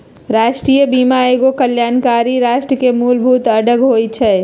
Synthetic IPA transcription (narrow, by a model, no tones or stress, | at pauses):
ɾaʃʈɾijəbimaeɡokəljaːnkaɾiɾaʃʈɾəkemulbʱut̪əɖəɡɦojt͡ʃʰɛ